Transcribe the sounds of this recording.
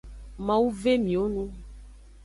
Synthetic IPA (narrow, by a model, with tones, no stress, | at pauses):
mã˨wu˦ve˦mĩ˨o˦nũ˦